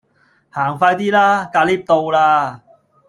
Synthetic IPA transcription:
haː˨˩ŋfaː˧jt̪iː˥laː˥kaː˧liː˥p̚t̪o˧wlaː˧

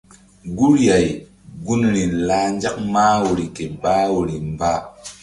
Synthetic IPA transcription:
ɡu˦ɾja˨j | ɡu˦nɾi˨la˦nd͡ʒa˦k̚maː˦wo˨ɾi˨ke˨baː˦wo˨ɾi˨mbaː˦

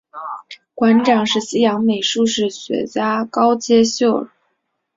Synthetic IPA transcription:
kwa˧˥nʈ͡ʂɑ˨˩ŋʂɻ̩˥˩ɕi˥jɑ˧˥ŋme˨˩ɪʂu˥˧ʂɻ̩˥˩ɕɥɛ̰˧˥t͡ɕja˥kɑ˥ʊt͡ɕjɛ˥ɕjo˥˩ʊ

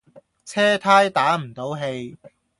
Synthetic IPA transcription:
t͡sʰɛː˥t̪ʰaː˥jt̪aː˨˥m̩˨˩t̪o˨˥wɦe˧j

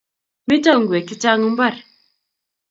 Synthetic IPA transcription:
mi˦tɔ˦˨ŋ̩˨ɡwɛ˨ki˦t͡ʃa˦ŋɨ˦m̩˦ba˦˨ɾ

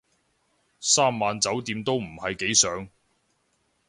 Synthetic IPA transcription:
saː˥mːaː˨nt͡sɐ˨˥wt̪iː˨˧mt̪o˥wm̩˨˩hɐ˨jke˨˥jsœː˨˥ŋ

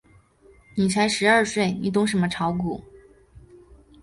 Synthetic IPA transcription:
ni˨˩t͡sʰa˧˥ɪʂɻ̩˧˥ə˞˥˧swe˥˩ɪni˨˩t̪̬ʊ˥ŋʂ̬ə˧˥nmə˧ʈ͡ʂʰɑ˧˥ʊku˨˩˦

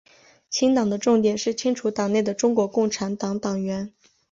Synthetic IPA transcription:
t͡ɕʰi˥ŋt̪ɑ˨˩ŋd̪ə˦ʈ͡ʂʊ˥˩ŋt̪jɛ˨˩nʂɻ̩˥˩t͡ɕʰi˥ŋʈ͡ʂʰu˧˥t̪ɑ˨˩ŋne˥˩ɪd̪ə˩ʈ͡ʂʊ˥ŋkwɔ˧˥kʊ˥˩ŋʈ͡ʂʰa˧˥nt̪ɑ˧˥ŋt̪ɑ˨˩ŋɥɛ˧˥n

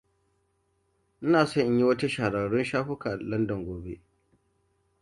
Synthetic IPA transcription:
ʔɪ˦naː˨sɔ˦ɲʔɲji˦wɐ˦ta˦ʃa˨ɽa˨ɽʊ˦nʃaː˦ɸʊ˦kaː˨lɐ˦ndɔ˨ŋɡʷoː˨bḛ˦

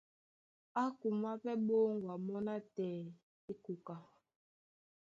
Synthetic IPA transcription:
a˦ku˨ma˦pɛ˦ɓo˦ŋɡwa˨mɔ˦na˦tɛː˨ | i˦ku˨ka˨

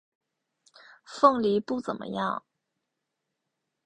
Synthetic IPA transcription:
fɤ˥˩ŋli˧˥pu˥˩t͡sə̰˨˩nmʔə̰˧˦jɑ̰˥˩ŋ

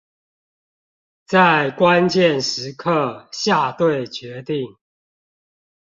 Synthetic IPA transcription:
t͡sa˥˨ɪkwa˦nt͡ɕjɛ˥˨nʂɻ̩˨˦kʰə˥˨ɕja˥˨t̪we˥˨ɪt͡ɕɥɛ˨˦t̪i˥˨ŋ

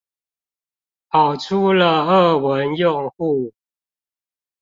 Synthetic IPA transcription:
pɑ˨˩ʊʈ͡ʂʰu˦lə˨ə˥˩wə˨˦njʊ˥˧ŋxu˥˨

